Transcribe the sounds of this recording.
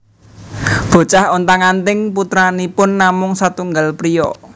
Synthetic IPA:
b̥o̤t͡ʃahɔnt̪aŋant̪ɪŋp̬ut̪ɾanipʊnːamʊŋsat̪uŋɡalpɾijɔ

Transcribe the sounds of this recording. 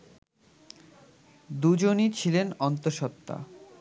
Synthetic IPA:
d̪ud͡ʑonit͡ɕʰilenɔnt̪oʃɔt̪ːa̰

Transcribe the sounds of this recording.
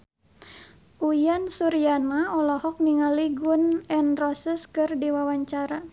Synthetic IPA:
ʔujansuɾianaɔlɔhɔk̚niŋaliɡunɛnrɔsɛskɨrdiwawaɲt͡ʃaɾa

